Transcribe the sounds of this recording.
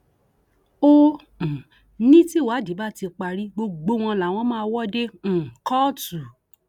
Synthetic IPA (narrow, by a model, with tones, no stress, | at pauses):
õ˦˨ | nĩ˦ti˦˨wa˨˦di˨˦ba˦˨ti˧k͡pa˧ɾi˦ɡ͡bo˧ɡ͡bo˧w̃ɔ̃˧la˨w̃ɔ̃˦mãː˦˧wɔ˦dẽ˦˨kɔ˦tu˨